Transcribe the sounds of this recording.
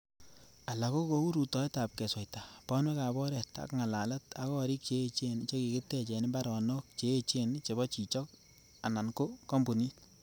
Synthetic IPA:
a˨la˨ko˦ko˦u˦ɾu˨tɔ˨e˦ta˨p̚kɛ˨swɔ˨jta˨pɔ˦nwɛ˦ka˨bɔ˦ɾɛ˨ta̰˨kŋa˨la˨la˦ta˨kɔ˦ɾi˦k̚t͡ʃe˦e˦t͡ʃe˦nt͡ʃe˦ki˨kɪ˦tːɛ˦t͡ʃɛ˨nɪ˦baɾɔ˨no˦k̚t͡ʃe˨e˦t͡ʃe˦nt͡ʃe˨βɔ˦t͡ʃi˨t͡ʃɔ˦k̚ | a˨na˨nko˦kɔ˦mbu˨ni˦t

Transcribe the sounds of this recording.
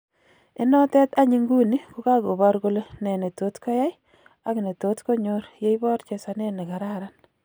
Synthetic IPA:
ɪ˦nɔ˦tɛ˦t̪a˦ɲi˦ŋɡu˦ni˦kʊ˦ka˦ɡo˨ba˦ɾɡo˦le˦nɛ˨ne˨to˨˦tkɔ˦ja˦j | a˦ɡɪ˨ne˨to˦tko˦ɲo˦ɾje˦i˦bɔ˦ɾt͡ʃɛ˨sa˨nɛ˦nɛ˨ka˨ɾa˦ɾa˦n

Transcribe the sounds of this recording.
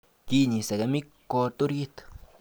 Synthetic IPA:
ki˦ɲi˨sa˨ɡami˦kːo˧t̪u˦ɾɡi˦t̪

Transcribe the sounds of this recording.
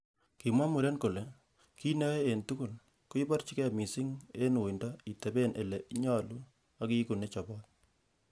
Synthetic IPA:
ki˨mwa˦mu˨ɾe˦nko˨le˨ | ki˦ne˦we˦e˨ntu˦ku˨l | ko˦i˦ba˦rt͡ʃi˦kɛ˦mi˨si˦ŋe˦no˨i˨nda˦i˨te˨be˦nʔe˨le˨˦ɲɔ˦˨lu˦ | a˦ki˦ku˨ne˦t͡ʃa˨bɔ˦t̚

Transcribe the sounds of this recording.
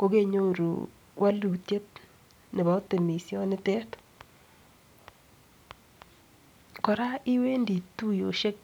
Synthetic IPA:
ko˦ɡe˦˨ɲo˦˨ɾṵ˨ | wʔa˦lu˨tje˦t̚ | nɪ˨ba˦o˦tɪ˨mi˨sjɔ˦nɪ˦tɛ˦t̪ | kɔ˨ɾa˦ɪ˦we˦ndi˨tu˦jo̰˨ʃe˦k̚

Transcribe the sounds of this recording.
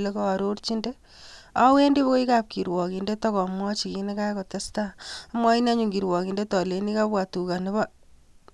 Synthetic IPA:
le˦kɔ˦a˨ɾo˦ɾt͡ʃi˦nde˦ | a˦we˦ndi˦βo˦ko˦i˦kap̚ki˨ɾwɔ˨ki˨nde˦tɔ˦kɔ˨mwɔ˦t͡ʃiki˦ne˦ka˦kɔ˨te˦staa˦mwa˦i˦n˦a˦ɲuŋɡi˨ɾwɔ˨ki˨nde˦tɔ˨le˨ni˦ka˦pwa˨tu˨ka˨nɪ˦βa˦

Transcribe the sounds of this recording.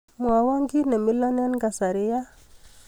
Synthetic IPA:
mwa˨wa˦ŋɡi˦nɛ˨mi˦la˦nɛ˦nɡa˨sa˨ɾi˦ja˦

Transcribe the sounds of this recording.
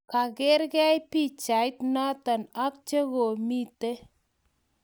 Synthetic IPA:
ka˨ke˦ɾkɛ˦jpi˦˨t͡ʃa˨jtnɔ˦tɔ˨na˦k̚t͡ʃe˦ko˨mi˦˨te˦

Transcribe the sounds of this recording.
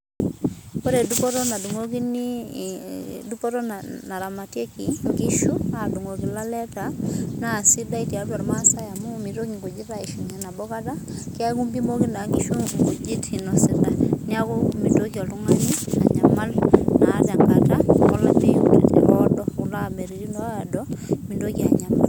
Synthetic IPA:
kɔ˦ɾe˨du˦pɔ˦tɔ˦na˨du˨ŋo˦ki˦ni | du˦pɔ˦tɔ˦na˨ɾa˨ma˨ti˦e˦kiŋɡi˦ʃu˦a˨du˨ŋo˨ki˨la˦lɛ˦tana˨si˦da˦i˦ti˨a˨twa˨ɾma˦sa˦ja˨mu˦mi˨to˦ŋiɡo˨d͡ʒi˦ta˨i˨ʃu˨ŋɛ˨na˨bɔ˦ka˦ta˦ki˦aku˦mbimɔ˦kindaŋɡi˦ʃukud͡ʒi˦tʰinɔsida˨niakumindokiɔ˨lu˦ŋaɲi˦a̰ɲamalnataŋɡatakɔlatiumɛ̰ɾḭtḭʔɔdɔku˨lamɛɾiɾinɔ˦adɔmi˨ndokia̰ɲama̰l

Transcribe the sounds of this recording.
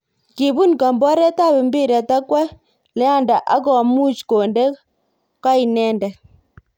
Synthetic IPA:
ki˨bu˦nkɔ˨mbɔ˦ɾɛ˦ta˦be˨mbi˦˨ɾɛ˨ta˦kwa˦ | lɛ˦a˦˨nda˨ʔa˦kɔ˨mu˦t͡ʃko˨nde˦ | ka˦i˨nɛ˦ndɛ˨

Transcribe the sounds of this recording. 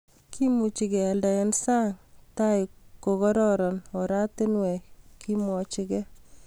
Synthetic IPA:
ki˦mu˨t͡ʃi˨kɛ˨a˨lda˨jɛnsa˦ŋtako˨kɔ˦ɾɔɾɔ˨nɔ˨ɾa˦tɪ˦nwɛ˨kʰimwɔt͡ʃikɛ

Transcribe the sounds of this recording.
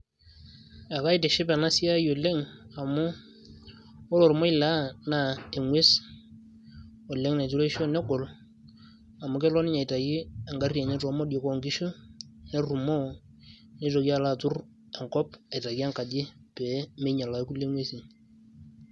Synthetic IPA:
a˨ka˦jtɛ˨ʃɛ˦pːna˦si˦a˦jo˨lɛ˦ŋa˨mʊ˦ | ɔ˦lɔ˨rmɔ˦ɪ˦la˦na˨e˨ŋwe˦s | ɔ˨lɛ˦ŋna˨tu˦le˦ʃɔ˦nɛ˦ɡɔ˨l | a˨mʊ˨˦kɛ˦lɔ˦nɪ˦ɲa˨jta˨jɪ˦a˨ŋɡa˦ri˦a˨ɲɛ˦ta˦mɔ˦djɔ˨kɔ˨ŋɡi˦ʃo˦nɛ˦ru˨mɔ˦ | nɛ˦to˨ki˦a˦˨la˦˨tʊ˦r | ɛ˨ŋkɔ˦p̚a˨jta˨ki˦a˦ŋka˨d͡ʒɪ˦pɛ˨me˦ɲa˨la˨˦ku˦le˦ŋwe˦si˨ŋ

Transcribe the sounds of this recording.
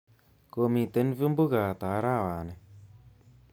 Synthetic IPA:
ko˧mĩ˨t̪e˨˦n˦vi˦mbu˦ɣa˨t̪a˨˦ɾa˦˨waː˨ne˨

